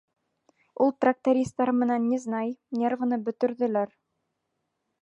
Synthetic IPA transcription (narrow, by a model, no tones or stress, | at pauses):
ulˠt̪rak̚t̪ɐɾʲist̪ɑɾmɘ̆nænːeznɑjnʲeɾvɤ̆nɤbɵ̆t̪ɵ̆ɾðɘ̆læɾ